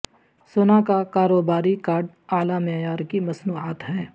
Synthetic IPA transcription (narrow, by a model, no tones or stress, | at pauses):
soːnakakaːɾoːbaːɾikaːɾɖ | aːlamejaːɾkimɐsnuːaːt̪ɦɛː